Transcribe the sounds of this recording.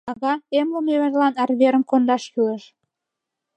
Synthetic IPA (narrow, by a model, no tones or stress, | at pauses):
ɑɣɑemlomeməʒlɑnɑrβeɾəmkond̪ɑʃkyəʃ